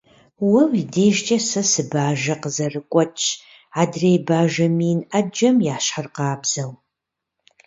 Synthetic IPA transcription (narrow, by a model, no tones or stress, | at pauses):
wɐwideːʒt͡ʃʼɐsɐsɨbaːʒɐqəzɐrɨkʷʼɔt͡ʃʰʼ | aːdrejbaːʒɐmiːnɐd͡ʒɐmjaːɕħərqaːbz̥ɐw